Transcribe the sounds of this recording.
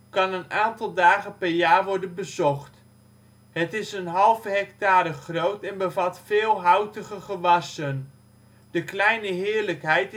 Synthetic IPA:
kɑnənaːntɑlˠdaːχənpɛɹjaːɹʋɔɹdənbəzɔχt | ɦətɪsənɦɑlˠvəɦɛktaːɾəχrowtɛnbəvɑtfɪːlˠɦawtəχəχəʋɑsən | d̥əklɛjnəɦɪːɹləkɦɛjt

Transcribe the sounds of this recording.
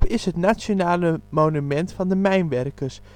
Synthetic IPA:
pɪsɦətnasonaːləmownymɛntfɑndəmɛjnʋɛrkərs

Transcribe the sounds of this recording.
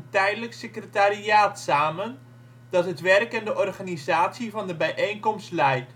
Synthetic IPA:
tɛjdələksɪkrətaɾiaːtsaːmən | d̥ɑtɦətʋɛrkɛndəʔɔrχanizaːtsivɑndəbɛjʔejnkɔmstlɛjt

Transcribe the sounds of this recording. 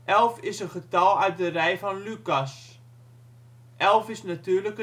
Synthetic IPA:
ʔɛlˠfɪsənχətɑlˠœɥt̚dərɛjfɔnlykas | ʔɛlˠfɪsnatyːrləkə

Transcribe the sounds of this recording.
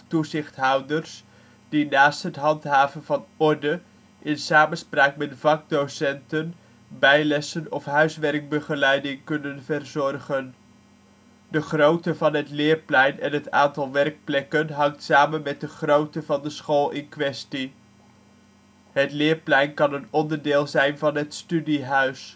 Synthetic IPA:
tuzɪχtɦɑwdərs | dinaːstɦətɦɑntɦaːvənvɑnɔɹdə | ʔɪnsaːmənspraːkmɛtvɑk̚dowsɛntən | bɛjlɛsənɔfɦœɥsʋɛrk̚bəχəlɛjdɪŋkɵnənvərzɔrχən | dəχrowtəvɑnɦətlɪːɹplɛjnɛnɦəta̰ːntɑlˠʋɛrɹk̚plɛkənɦɑŋtsaːmənmɛt̚dəχrowtəvɑndəsχoːlˠɪnkʋɛsti | ɦətlɪːɹplɛjnkɑnənɔndəɹdɪːlˠzɛjnvɑnɦətstydiɦœɥs

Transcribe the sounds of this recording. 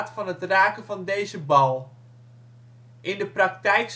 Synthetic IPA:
tfɑnɦətraːkəvɑndejzəbɑlˠ | ʔɪndəprɑk̚tɛjks

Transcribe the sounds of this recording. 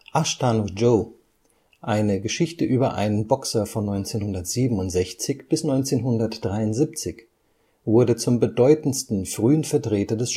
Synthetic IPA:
ʔaʃtanod͡ʒoː | ʔaɪnəɡəʃɪçtəʔyːbɐʔa̰ɪnənbɔksɐfɔnːɔʏnt͡seːnhʊndɐtz̥iːbm̩ʊntz̥ɛçt͡sɪçb̥ɪsnɔʏnt͡seːnɦʊndɐtd̥ʁaɪʊntz̥ip̚t͡sɪç | vʊɐdət͡sʊmbədɔʏtn̩stn̩fʁ̥yːənfɛɐtʁ̥eːtɐdɛs

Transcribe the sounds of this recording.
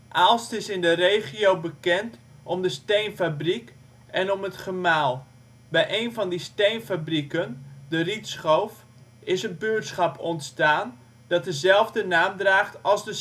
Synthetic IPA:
ʔalˠstɪsɪndərejχiowbəkɛnt | ʔɔmdəstejnfabrik | ɛnɔmətχəmaːlˠ | bɛjʔejnfɔndistejnfabrikəndəritsχowf | ɪsənbøətsχɑpʰɔntstaːn | d̥ɔt̚dəzɛlˠvdənaːmdraːχtɑlˠsdə

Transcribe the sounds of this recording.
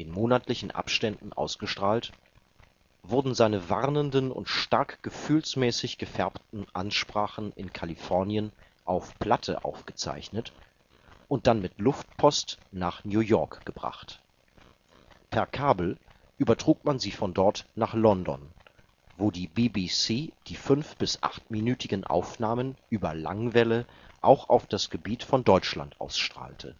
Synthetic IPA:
ɪnmoːnatlɪçn̩ʔa̰pʃtɛndn̩ʔa̰ʊsɡ̥əʃtʁ̥aːlt | vʊɐdn̩zaɪnəvaʁnəndənʊ̰ntʃtaɐkɡ̥əfyːlsmɛːsɪçɡ̥əfɛɐptn̩ʔanʃpʁ̥aːχn̩ɪnkʰalifɔɐnjən | ʔaʊfpʰl̥atʰə̰ʔa̰ʊfɡ̥ət͡sa̰ɪçnət | ʔʊnt̚d̥anmɪtlʊft̚pʰɔstnaːχnjuːjɔɐkɡ̥əbʁa̰χt | pʰɛɐkʰaːbl̩ | ʔyːbɐtʁ̥uːk̚manziːfɔndɔɐtnaːχlɔndɔ̰n | voːdiːbibisiːd̥iːfʏnfb̥ɪsʔa̰χtminyːtɪɡən̩ʔa̰ʊfnaːmənʔyːbɐla̰ŋvɛlə | ʔaʊxaʊfd̥asɡ̥əbiːtfɔndɔʏt͡ʃla̰ntʔa̰ʊsʃtʁ̥a̰ːltʰə̰

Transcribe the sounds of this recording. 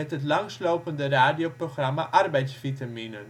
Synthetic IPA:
ɛtɦətlɑŋslowpəndəraːdiowproχrɑmaʔɑrbɛjtsfitaminən

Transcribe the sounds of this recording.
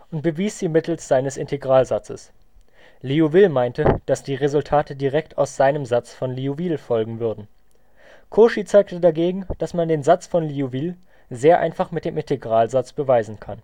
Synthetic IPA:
ʔʊnt̚b̥əviːsz̥iːmɪtl̩sz̥aɪnəsɪntʰeɡʁaːlzat͡sə̰s | liuvɪlmaɪntəd̥asd̥iːʁezʊltʰaːtədiʁɛktʰa̰ʊsz̥aɪnəmzat͡sfɔnliuviːlfɔlɡŋ̩vʏɐdn̩ | kʰoːʃit͡saɪk̚tədaɡeːɡŋ̩d̥asmandeːnzat͡sfɔnliuviːl | zeːɐʔa̰ɪnfaχmɪt̚d̥eːmɪ̃ntʰeɡʁaːlzat͡sb̥əvaɪzn̩kʰan

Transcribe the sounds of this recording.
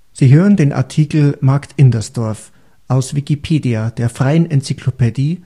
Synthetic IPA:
z̥iːɦøːʁəndeːnʔa̰ɐtʰiːkl̩maɐktʰʔɪndɐsd̥ɔɐf | ʔaʊsv̥ikipʰeːdiad̥eːɐfʁ̥aɪənʔɛnt͡sikʰlopediː

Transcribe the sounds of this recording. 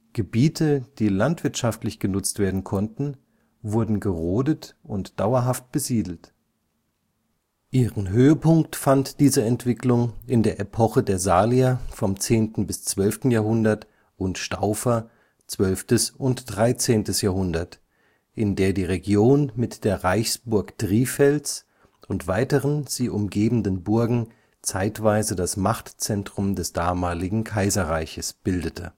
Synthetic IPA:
ɡ̥əbiːtʰəd̥iːlantv̥ɪɐtʃaftlɪçɡ̥ənʊt͡stv̥eːɐdn̩kʰɔntn̩ | vʊɐdn̩ɡəʁoːdətʔʊntd̥aʊɐɦaft̚b̥əziːdl̩t | ʔiːʁənɦøːəpʰʊŋktfantd̥iːzəɛntv̥ɪklʊŋɪndeːɐʔepʰɔχədeːɐzaːliafɔmt͡seːntn̩bɪst͡sv̥œlftn̩jaːɐɦʊndɐt | ʔʊntʃtaʊfɐ | t͡sv̥œlftəsʔʊntd̥ʁaɪt͡seːntəsjaːɐhʊndɐt | ʔɪndeːɐdiːʁeɡjoːnmɪtd̥eːɐʁaɪçsb̥ʊɐkd̥ʁiːfɛlt͡s | ʔʊntv̥aɪtəʁənz̥iːʔʊmɡeːbn̩dənbʊɐɡŋ̩ | t͡saɪtv̥aɪzədasmaχtt͡sɛntʁ̥ʊmdɛsd̥aːmaːlɪɡŋ̩kʰaɪzɐʁaɪçəsb̥ɪldətʰə̰

